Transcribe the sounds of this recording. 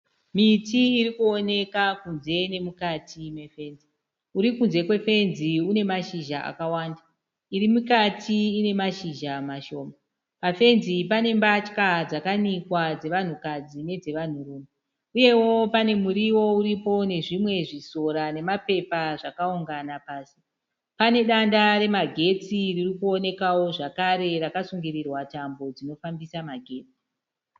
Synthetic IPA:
mitiːɾikuone̞kakunze̞ne̞mukatʰime̞fe̞ːnzi | uɾikunze̞kwe̞fe̞nziune̞maʃiʒaʔa̰kawaːnda | irimukatʰiːne̞maʃiʒamaʃo̞ːma | pafe̞nzipane̞mbat͡ʃkad͡zakanikwad͡ze̞ʋan̤ukad͡zine̞d͡ze̞ʋan̤uruːmo | uje̞wo̞pane̞muɾiwo̞uɾipo̞ne̞ʐimwe̞ʐiso̞ɾane̞mape̞paʐakauŋɡanapaːsi̥ | pane̞ɗandaɾe̞maɡʱe̞t͡siririkuo̞ne̞kawo̞ʐakaɾe̞rakasuŋɡirirwatambo̞d͡zino̞fambisamaɡʱe̞ːt͡si̥

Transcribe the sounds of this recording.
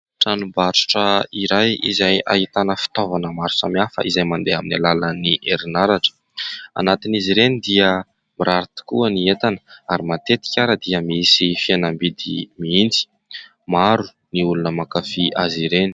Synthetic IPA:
ʈ͡ʂanubaʈ͡ʂu̥ʈ͡ʂəiɾajḭzaja̰ɦit̪anəfi̥t̪ovanəmaɾu̥samiafə̰ʔizajmand̪eaminalaləniʔeɾinaɾaʈ͡ʂə̥ | a̰nat̪iniziɾenid̪iə | miɾaɾit̪i̥kuəniet̪anəaɾimat̪et̪i̥kʲaɾəd̪iəmiisifianambid̪ḭmiind͡zi̥ | maɾu̥ | niulunəmakafiʔaziɾeni̥

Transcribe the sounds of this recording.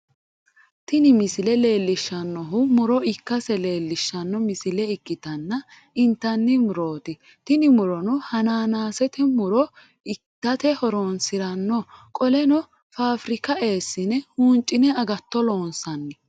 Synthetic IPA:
t̪ɪnɪmɪsɪlɛle̞ːlːɪʃːɐnːɔɦʊmʊɾɔɪkːɐsɛle̞ːlːɪʃːɐnːɔmɪsɪlɛɪkʼːɪt̪ɐnːɐ | ɪnt̪ːɐnːɪmʊɾo̞ːt̪ɪ | t̪ɪnɪmʊɾɔnɔhɐnaːnaːsɛt̪ɛmʊɾɔ | ɪkːɐt̪ɛhɔɾoːnsɪɾɐnːɔkʼɔlɛnɔ | faːfɾɪkɐʔe̞ːsːɪnɛhuːnt͡ʃʼːɪnɛɐɡɐt̪ːɔloːnsɐnːɪ

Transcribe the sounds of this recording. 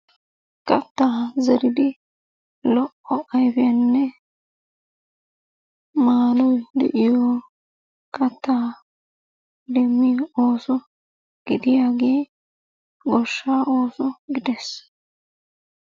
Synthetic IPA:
kɐt̪ːaːzɛɾɪd̪ɪ | lɔʔɔʔɐjbɪjɐnːɛ | maːlɔjd̪ɛ̰ʔɪjɔː | kʼɐt̪ːaː | d̪ɛmːɪo̞ːsɔ | ɡ̥ɪd̪ɪjaːɡe̞ː | ɡɔʃːaːʔo̞ːsɔɡɪd̪es

